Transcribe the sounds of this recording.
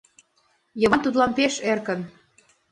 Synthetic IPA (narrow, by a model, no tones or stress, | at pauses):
jɤ̆βɑnt̪ut̪lɑnpeʃerkən